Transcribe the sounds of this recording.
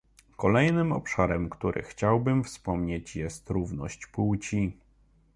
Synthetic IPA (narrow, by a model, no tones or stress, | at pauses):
kɔlɛjnɘmɔ̰pʂaɾɛmkt̪uɾʔɘ̰xt͡ɕawbɘmfspɔmɲet͡ɕjɛst̪ɾuvnɔ̰ɕt͡ɕpuwt͡ɕi